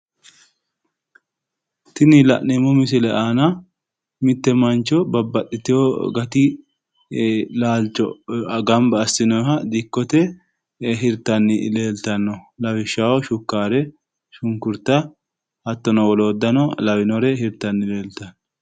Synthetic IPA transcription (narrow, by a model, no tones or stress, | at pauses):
t̪ɪnɪlɐ̰ʔnemɔmɪs̬ɪlɛʔaːnɐ | mɪt̪ːɛmɐnt͡ʃːɔbɐbːɐɗːɪt̪ɪjɔɡɐt̪ɪ | laːlt͡ʃːɔ̰ɡɐmbɐːsɪnɔjɦɐd̪ɪkːɔt̪ɛ | ɦɪɾt̪ɐnːɪle̞ːlt̪ɐnːɔlɐwɪʃːawɔʃʊkːaːɾɛ | ʃʊŋkʊɾt̪ɐ | hɐt̪ːɔnɔwɔloːd̪ːɐnɔlɐwɪnɔɾɛhɪɾt̪ɐnːɪle̞ːlt̪ɐnːɔ